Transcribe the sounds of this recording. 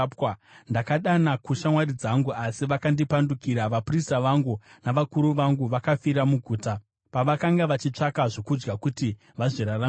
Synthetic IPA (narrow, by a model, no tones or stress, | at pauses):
pwandakaɗanakuʃamwaɾid͡zaŋɡuʔasiʋakandipandukiɾaʋapristaʋaŋɡunaʋakuɾuʋaŋɡuʋakafiɾamuɡʱuːta | paʋakaŋɡaʋat͡ʃit͡ʂakaʐo̞kud͡ʒɡakuti | ʋaʐiɾara